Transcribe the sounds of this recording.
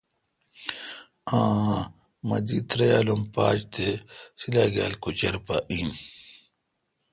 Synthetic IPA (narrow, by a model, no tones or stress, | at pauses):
ãː | mɐd̪iːt̪ɾɐjaːlompaːd͡ʑt̪esilaːɡa̰ːlkut͡ɕɐɾpaʔiːm